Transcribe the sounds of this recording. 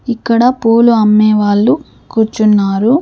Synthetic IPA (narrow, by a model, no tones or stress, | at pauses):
ikːɐɽɐpoːluɐmːeːʋaːɭːu | kuːɾt͡ʃunːaːɾu